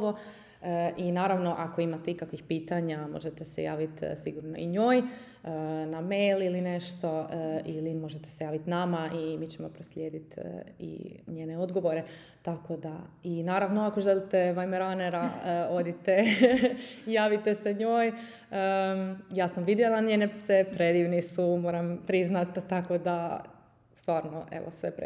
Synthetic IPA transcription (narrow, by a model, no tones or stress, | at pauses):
ʋo | ʔinaːɾaʋno̞ʔako̞imat̪eikakʋixpiːt̪aɲamo̞̰ʒet̪esḛjaːʋit̪siɡuɾno̰ḭɲo̞ːj | ənamejliline̞ʃt̪o̞ʔilimo̞ʒet̪e̥sejaːʋit̪namaʔimiːt͡ɕemo̞pɾoslʎeːd̪it̪ːḭɲeːneo̞d̪ɡo̞ʋo̞ɾe̞ | t̪akod̪ainaːɾaʋnoako̞ʒelit̪eʋajmeɾaneɾao̞d̪it̪e | jaːʋit̪e̞seɲoːj | əjaːsamʋid̪jelˠaɲeːnepsepɾe̞d̪iːʋnisumoːɾampɾiznat̪ːako̞d̪a | st̪ʋaːɾno̰ʔḛʋo̰sʋḛpɾ